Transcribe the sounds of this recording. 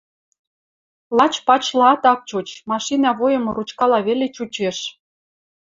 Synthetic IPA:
lɑt͡ɕpɑt͡ɕlɑt̪ɑk̚t͡ɕot͡ɕmɑʃinɑβojə̆moɾut͡ɕkɑlɑβelet͡ɕut͡ɕeʃ

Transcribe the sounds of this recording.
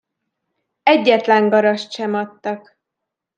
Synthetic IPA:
ɛɟːɛt̪lɛŋɡɒɾɒʃt̪ʃɛmɒt̪ːɒk

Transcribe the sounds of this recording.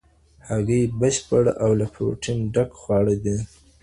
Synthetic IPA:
haɣəjbəɕpəɽawlapʰo̰ʈʰɪnɖakxwɑɽəd̪e

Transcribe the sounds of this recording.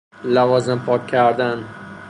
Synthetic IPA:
lavɒzɪmpʰɒkʲʰːaɾd̪an

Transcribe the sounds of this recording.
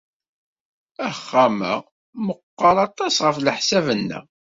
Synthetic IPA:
æχːæmə̰ | məqːɑɾˤɑt̪ˤɑsʁəfləħsævənːə̰ʁ

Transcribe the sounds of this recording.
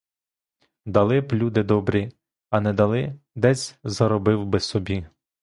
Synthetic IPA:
d̪ɐlˠɪblʲud̪ɪd̪ɔbɾʲi | ɐnɛd̪ɐlˠɪ | d̪ɛzʲzɐɾɔbɪwbɪsɔbʲi

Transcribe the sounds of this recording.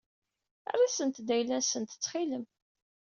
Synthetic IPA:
a̰rˤasənt̪d̪æjlænsənt̪ə̥t͡sːχiləm

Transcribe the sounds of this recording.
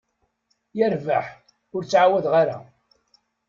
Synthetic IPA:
jæɾvaħ | ʊɾt͡sːʕawæðʁaɾa̰

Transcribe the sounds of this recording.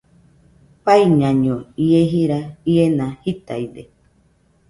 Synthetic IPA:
paiɲãɲõieɦiɾaienãhit̪aid̪e

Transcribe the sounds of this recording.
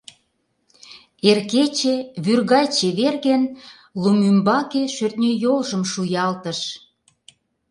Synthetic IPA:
erket͡ɕeβyrɣɑjt͡ɕeβerɣen | lumymbɑkeʃørt̪nʲøjolʒəmʃujɑlt̪ə̆ʃ

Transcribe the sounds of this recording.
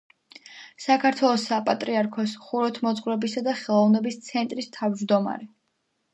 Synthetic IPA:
sakʰaɾt̪ʰwɛlˠɔsapʼat̪ʼɾiaɾkʰɔsχuɾɔt̪ʰmɔt̪sʼχʼvɾɛbisad̪aχɛlˠɔvnɛbist̪sʰɛnt̪ʼɾist̪ʰavd͡ʒd̪ɔma̰ɾɛ

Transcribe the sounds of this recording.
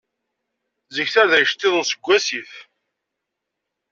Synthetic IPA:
zəçθæðæʃt̪ːɪðˤənsəɡʷːæsiθ

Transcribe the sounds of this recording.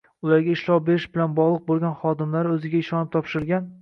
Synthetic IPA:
ʊlaɾɡʲaɪʃlɒwbe̞ɾɪʃbɪlanbɒʁlˠɨq̚bolˠɡʲanχɒd̪ɪmlaɾɵzɪɡʲaɪʃɒnɪp̚t̪ʰɒpʃɪɾɪlɡʲan

